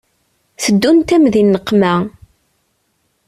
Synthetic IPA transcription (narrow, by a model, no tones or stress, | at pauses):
θəd̪ːunt̪æmðinːəqːmæ